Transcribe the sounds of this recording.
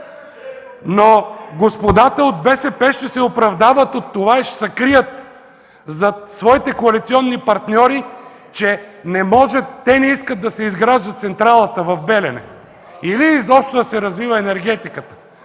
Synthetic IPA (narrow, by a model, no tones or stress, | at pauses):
noɡospod̪at̪əod̪̚bɛsɛpɛʃt̪ɛsɛopɾɐvd̪avət̪ot̪ːovaɛʃsɐkɾijət̪ | zɐsvɔit̪ɛkoɐlit̪siɔnːipɐɾt̪nʲɔɾi | t͡ʃɛnɛmɔʒɛt̪ːɛnɛiskət̪̚d̪ɐsɛizɡɾaʒd̪ət̪t̪sɛnt̪ɾalˠət̪əvɐvbɛlɛnɛ̰ | ilizɔpʃt̪od̪ɐsɛɾɐzvivəɛnɛɾɡɛt̪ikət̪ə̥